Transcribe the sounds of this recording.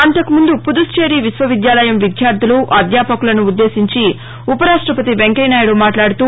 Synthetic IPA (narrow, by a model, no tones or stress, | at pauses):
ɐnt̪ɐkumund̪upud̪ust͡ʃeːɾiʋisʋɐʋid̪jaːlɐjɐmʋid̪ʱjaːɾd̪ʱuluʔɐd̪jaːpɐkulɐnuːd̪ːe̞ːsiɲt͡ʃi | upɐɾaːʂʈɾɐpɐt̪iʋeŋkɐjnaːjɐɽumaːʈlaːɽut̪uː